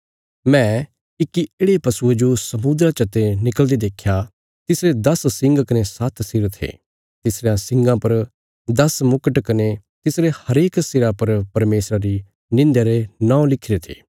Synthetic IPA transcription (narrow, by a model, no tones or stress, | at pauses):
mɛ̃ | ɪkːieːɽepɐsued͡ʒosɐmud̪ɾat͡ʃɐt̪enɪkəld̪ed̪eːkʰːja | t̪ɪsɾed̪ɐssɪ̃ŋɡkɐnesɐt̪ʰsɪɾt̪ʰḛː | t̪ɪsɾejãsɪ̃ŋɡãpɐɾ | d̪ɐsmʊkəʈkɐne | t̪ɪsɾehɐɾeːksɪɾapɐɾpɐɾmeːsɾaɾi | nɪ̃nd̪jaɾenãːõlɪkʰɪɾet̪ʰḛː